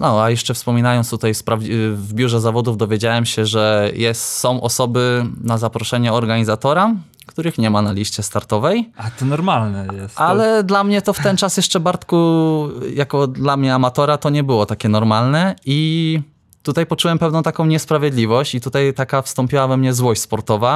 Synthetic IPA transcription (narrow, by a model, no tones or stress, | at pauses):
nɔajɛʂt͡ʂɛfspɔmʲinajɔnst̪ut̪ajspɾavvbʲjuʐɛzavɔd̪uvd̪ɔvʲjed͡ʑawɛmɕɛʐɛjɛst̪sɔ̃w̃ʔɔsɔbɘnazapɾɔʂɛɲɛɔɾɡaɲizat̪ɔɾa | kt̪uɾɘxɲɛmanalʲiɕt͡ɕɛst̪aɾt̪ɔvɛjat̪ɔnɔɾmalnɛjɛsalɛd̪lamɲɛt̪ɔft̪ɛnt͡ʂasjɛʂt͡ʂɛbaɾt̪ku | jakɔd̪lamɲɛamat̪ɔɾat̪ɔɲɛbɘwɔt̪akʲɛnɔɾmalnɛi | t̪ut̪ajpɔt͡ʂuwɛmpɛvnɔ̃t̪akɔ̃w̃ɲɛspɾavʲjed̪lʲivɔɕt͡ɕit̪ut̪ajt̪akafst̪ɔmpʲiwavɛmɲɛzwɔɕt͡ɕʲspɔɾt̪ɔva